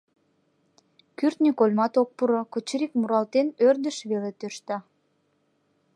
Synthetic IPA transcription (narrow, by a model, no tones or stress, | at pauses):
kyrt̪nikolʲmɑt̪ok̚puɾokot͡ɕəɾikmuɾɑlt̪enørd̪əʃβelet̪øʃt̪ɑ